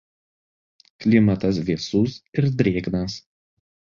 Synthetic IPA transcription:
klʲɪmɐt̪ɐsʋʲiɛsʊsɪɾd̪ʲɾʲeːɡnɐs

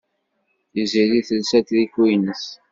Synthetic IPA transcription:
θiziɾiθəlsæt̪ðiçwinəs

